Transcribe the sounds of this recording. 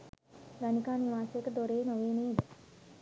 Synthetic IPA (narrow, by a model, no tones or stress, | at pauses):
ɡanikaːniʋaːsekəd̪oɾeːnəʋeːneːd̪ə